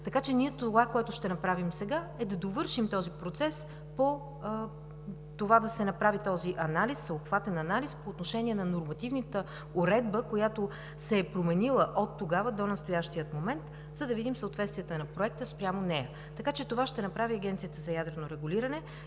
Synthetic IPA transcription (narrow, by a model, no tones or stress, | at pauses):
t̪ɐkat͡ʃɛniɛt̪ovakoɛt̪ʊʃt̪ɛnɐpɾavimsɛɡaɛd̪ɐd̪ovɤɾʃimt̪ɔzipɾot̪sɛs | po | t̪ovad̪ɐsɛnɐpɾavit̪ɔziʔɐnalisːəopxvat̪ɛnɐnalispoːt̪noʃɛnʲiɛnɐnoɾmɐt̪ivnət̪ə | ʊɾɛd̪̚bəkojat̪o | sɛːpɾomɛnilˠəʔot̪ːoɡavəd̪onɐst̪ojaʃt̪iət̪momɛnt̪ | zɐd̪ɐvid̪imsəot̪vɛt̪st̪vijɛt̪ənɐpɾoɛk̚t̪əspɾʲamonɛjə | t̪ɐkat͡ʃɛt̪ovaʃt̪ɛnɐpɾaviɐɡʲɛnt̪siət̪əzɐjad̪ɾɛnoɾɛɡuliɾənɛ